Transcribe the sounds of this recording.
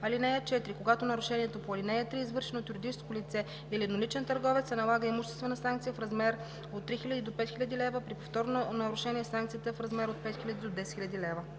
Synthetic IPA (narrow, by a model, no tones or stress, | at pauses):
ɐlinɛjət͡ʃɛt̪ɾikoɡat̪onɐɾʊʃɛniɛt̪opoɐlinɛjət̪ɾiːzvɤɾʃɛnot̪juɾid̪it͡ʃɛskolit̪sɛ | ilinolit͡ʃɛnt̪əɾɡɔvɛt̪ssɛnɐlˠaɡəimuʃt̪ɛst̪vɛnəsaŋk̚t̪sijəfɾɐzmɛɾ | ot̪ːɾixilʲəd̪id̪opɛt̪xilʲəd̪ilɛvəpɾipoft̪ɔɾnonɐɾʊʃɛniɛsaŋk̚t̪sijət̪əfɾɐzmɛɾot̪̚pɛt̪xilʲəd̪id̪od̪ɛsɛt̪xilʲɐd̪ilɛvə